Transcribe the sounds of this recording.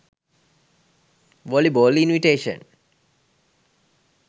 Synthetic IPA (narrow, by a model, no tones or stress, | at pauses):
ʋɔlibolinʋiʈeːʃə̰̃n